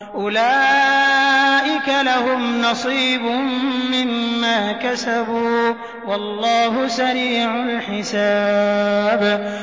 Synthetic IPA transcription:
ʔʊlaː | ʔɪkalahʊmnɑsˤiːbʊːɪmːaːkasabuː | wɑlˤːɑːɦʊsaɾiːʕʊlħɪsa | b

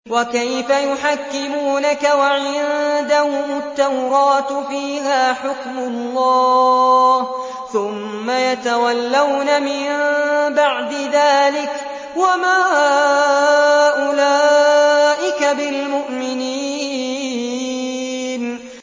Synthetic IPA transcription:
wakajfajʊħakːɪmuːnakawaʕɪnd̪ahʊat̪ːawɾɑːt̪fiːɦaːħʊkmʊlˤːɑː | h | θʊmːajat̪awalːawnamɪmbaʕd̪ɪðaːlɪk | wamaː | ʔʊlaː | ʔɪkabɪlmʊʔmɪniː | n

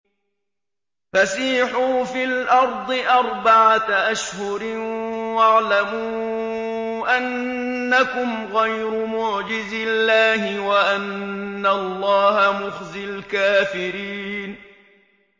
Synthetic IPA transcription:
fasiːħuːfilʔɑɾˤd̪ˤɨʔɑɾˤbaʕaʔaʃhʊɾɪwaʕlamuː | ʔanː | akʊmɣajɾʊmʊʕd͡ʒɪzɪlːaːɦɪwaʔanːalˤːɑːhamʊxzɪlkaːfɪɾiːn

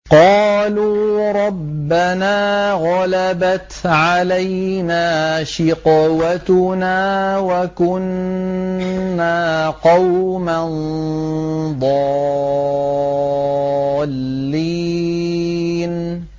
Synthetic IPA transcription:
qɑːluːɾˤɑbːanaːɣɑlabat̪ʕalajnaːʃɪqwat̪ʊnaːwakʊn | aːqɑwman | d̪ˤɑ | lː | iː | n

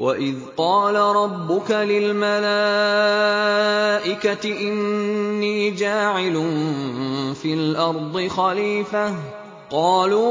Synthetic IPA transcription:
waʔɪðqɑːlaɾˤɑbːʊkalɪlmala | ʔɪkat̪ɪʔɪnːiːd͡ʒaːʕɪlʊn | fiːlʔɑɾˤd̪ˤɨxaliːfa | qɑːluː

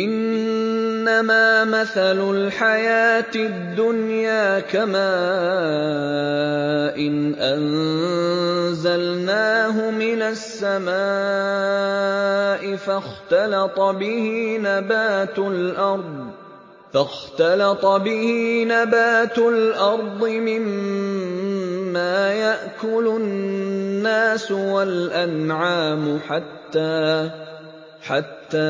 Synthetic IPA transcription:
ʔɪnː | amaːmaθalʊlħajaːt̪ɪd̪ːʊnjaːkamaː | ʔɪnʔan | zalnaːɦʊmɪnasːama | ʔɪfaxt̪ɑlɑt̪ˤɑbɪhinabaːt̪ʊlʔɑɾˤd̪ˤ | faxt̪ɑlɑt̪ˤɑbɪhiːnabaːt̪ʊlʔɑɾˤd̪ˤɨmɪm | aːjaʔkʊlʊː | aːsʊwalʔanʕaːmʊħat̪ːaː | ħat̪ːaː

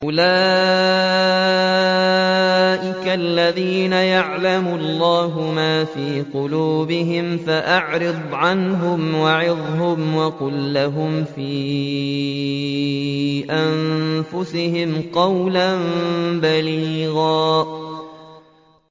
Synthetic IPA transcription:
ʔʊlaː | ʔɪkaʔlːaðiːnajaʕlamʊɑlˤːaːɦʊmaːfiːqʊluːbɪɦɪmfaʔaʕɾɨd̪ˤʕanɦʊmwaʕɪðˤɦʊmwɑqʊlːaɦʊmfiː | ʔanfʊsɪhɪmqɑwlanbaliːɣaː

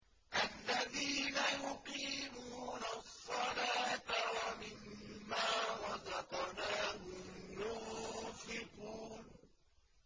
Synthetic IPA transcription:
ʔalːaðiːnajʊqiːmuːnasˤːɑlaːt̪awamɪmːaːwɑd̪ɑqnaːɦʊmjʊfɪquːn

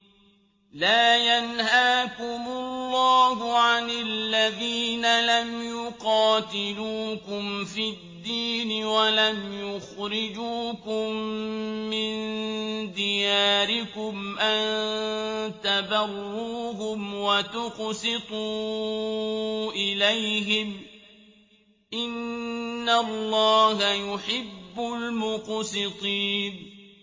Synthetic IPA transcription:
laːjanhaːkʊmʊlːɑːhʊʕanalːaðiːnalamjʊqɑːt̪ɪluːkʊmfid̪ːiːnɪwalamjʊxɾɪd͡ʒuːkʊmː | ɪnd̪ɪjaːɾɪkʊmʔan | t̪abarːuːɦʊmwat̪ʊqsɪt̪ˤuː | ʔɪlajɦɪm | ʔɪnː | alːɑːɦajʊħɪbːʊlmʊqsɪt̪ˤiːn

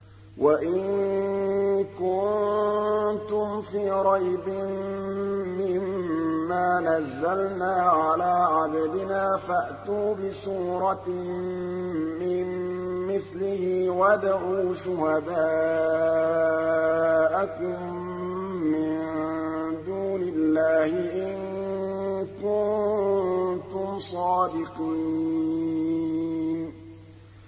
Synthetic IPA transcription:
wʔaʔɪn | kʊn | t̪ʊmfiːɾˤɑjbɪ | mɪmːaːnazːalnaːʕalaːʕabd̪ɪnaːfaʔt̪uːbɪsuːɾˤɑ | mɪmmɪθlɪhɪwad̪aʕuːʃʊhad̪aː | ʔakʊmː | ɪn | d̪uːnɪlːaːhɪʔɪn | kʊnnt̪ʊmsˤɑːd̪ɪqi | n

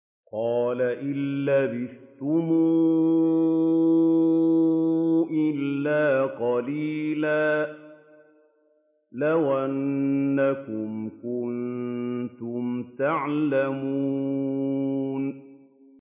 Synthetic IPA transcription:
qɑːlaʔɪlːabɪθt̪ʊmuː | ʔɪlːaːqɑliːlaː | lawʔanːakʊmkʊn | t̪ʊmt̪aʕlamuː | n

